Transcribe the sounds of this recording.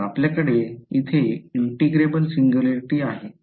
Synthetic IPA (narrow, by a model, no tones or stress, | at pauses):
apljakəɽeit̪ʰeiɳʈiɡɾebəlsiŋɡjuleɾiʈiːaɦe